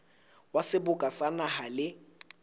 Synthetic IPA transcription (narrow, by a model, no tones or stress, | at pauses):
wasɪbʊkʼasanahalɪ